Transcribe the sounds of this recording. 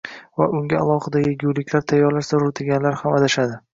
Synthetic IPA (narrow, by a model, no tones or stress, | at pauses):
vaʔʊŋɡʲaalˠɒhɨd̪ajeɡʲuwlɪkʲlaɾt̪ʰajːɒɾlaʃzaɾʊt̪ʰɪɡʲanlaɾhamad̪aʃad̪ɪ